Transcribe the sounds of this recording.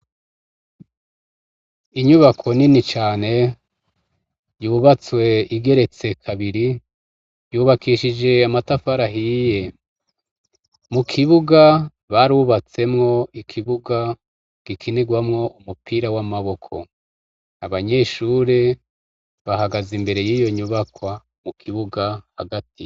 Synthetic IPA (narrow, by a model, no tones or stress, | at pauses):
iɲuβakʰo̞ninit͡ʃaːne̞ | juːβat͡swe̞iɡe̞ɾe̞t͡se̞kʰaβiɾi | juːβakʰiʃid͡ʒe̞amatafaɾaɦije̞ | mukʰiβuɡa | βaɾuβat͡se̞mŋo̞ikʰiβuɡa | ɡ̥ikʰiniɡwamŋo̞ʔumupʰiɾawamaβo̞kʰo̞̰ | aβaɲe̞ːʃuɾe | βaɦaɡazimbe̞ɾe̞jiːjo̞ɲuβakwa | mukʰiβuɡahaɡatʰi